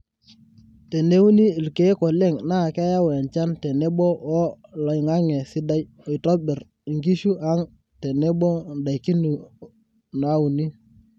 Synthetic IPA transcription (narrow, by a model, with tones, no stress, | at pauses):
te˨ne˦u˦ni˦i˨lke˨˦kɔ˨le˦˨ŋna˦˨ka˦ja˦wɛ˨nt͡ʃa˦ntɛ˨ne˦bɔ˦wɔ˦lɔ˨jŋa˦ŋɛ˨sɪ˦da˦j | ɔ˨i˨tɔ˦bɛ˨r | i˨ŋɡi˦ʃu˦ʔa˦ŋ | tɛ˨ne˦bɔ˦nda˨jki˦nu˨ | na˨˦u˨ni˦